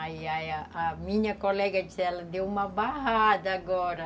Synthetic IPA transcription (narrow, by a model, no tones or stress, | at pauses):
ajajaamĩɲɐkolɛɡɐd͡ʒisɛlɐd̪ewumɐbaɦad̪ɐaɡɔɾɐ